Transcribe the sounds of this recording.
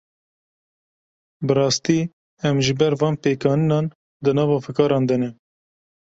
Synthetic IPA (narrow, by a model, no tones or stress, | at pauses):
bɨɾɑːst̪iː | ɛmʒɨbɛɾvɑːnpeːkɑːnɨnɑːn | d̪ɨnɑːvɑːfɨkɑːɾɑːnd̪ɛnɛ